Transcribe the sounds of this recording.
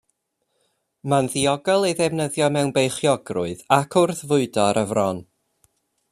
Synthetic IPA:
manðiɔɡɔlˠejðɛvnəðjɔmɛwnbejχjɔɡrʊ̰ɨðakʰʊrθvʊɨdɔɾʔəvrɔn

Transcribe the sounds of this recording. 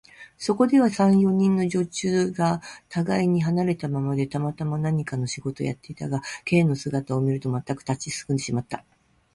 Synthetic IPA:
so̞ko̞d̪e̞β̞asãɰ̃jo̞ɲ̟ĩnːo̞ʑo̞t͡ɕɨːɡat̪ʰaɡaiɲ̟iɦanaɾe̞t̪amamad̪e̞t̪amat̪amanaɲ̟ikano̞ɕiɡo̞t̪o̞̰ja̰t̪ːe̞it̪aɡake̞ːno̞sɨɡat̪ao̞mʲiɾɯ̟t̪o̞mat̪ːakɯ̥t̪at͡ɕisɨ̥kɯ̟nd̪e̞ɕimat̪ːa

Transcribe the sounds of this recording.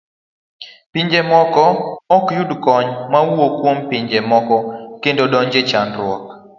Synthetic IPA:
piɲd͡ʒemɔkɔɔkjudkɔɲmawokwompiɲd͡ʒemɔkɔkendodɔɲd͡ʒet͡ʃanɾwɔ̰k̚

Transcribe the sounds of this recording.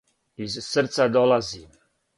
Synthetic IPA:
izsəɾsad̪ɔlazim

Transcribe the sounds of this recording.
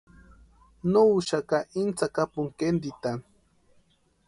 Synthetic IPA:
noʃakaʔint͡sakapʊŋkend̪it̪a

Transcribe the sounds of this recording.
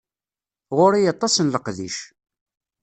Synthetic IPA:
ʁʊɾijɑt̪ˤːɑsənləqðiʃ

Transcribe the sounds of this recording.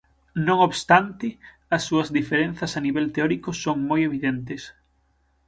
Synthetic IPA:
nõŋoβst̪ant̪ɪ | asːuɐzðifeɾẽnθasaniβelt̪eɔɾikosoŋmojeβiðent̪es

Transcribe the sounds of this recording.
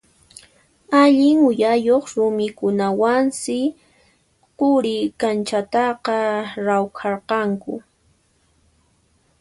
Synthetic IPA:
aʎɪŋʊjajoχɾʊmɪkʊnawansɪ | qʊɾɪkant͡ʃat̪ɑqɑɾawkʰɑɾqɑŋkʊ̰

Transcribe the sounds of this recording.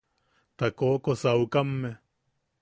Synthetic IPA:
t̪akoːkosaukamːe

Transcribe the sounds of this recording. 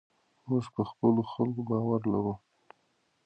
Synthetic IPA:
ospəxpəloxalkobɑwaɾlaɾu

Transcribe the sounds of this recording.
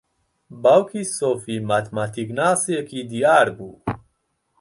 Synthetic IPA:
bawkisofimat̪mat̪iknaːsekid̪iaːɾbuː

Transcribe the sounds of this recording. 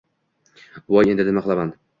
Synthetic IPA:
wɒje̞nd̪ɪnɪmaqʰɨlˠaman

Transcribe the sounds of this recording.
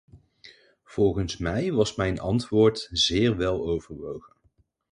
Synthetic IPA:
v̥ɔlˠχənsmɛjʋɑsmɛjnʔɑntʋʊːɹtz̥ɪːɹʋɛlˠowvəɹʋowχən

